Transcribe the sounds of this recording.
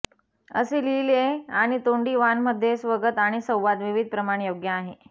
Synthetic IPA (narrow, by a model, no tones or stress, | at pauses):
ə̰selileaɽ̃it̪oɳɖiːʋanməd̪ʱːjesʋəɡət̪aɽ̃isə̃w̃ʋad̪ʋiʋid̪̚ʱpɾəmaɽ̃joɡjəːɦe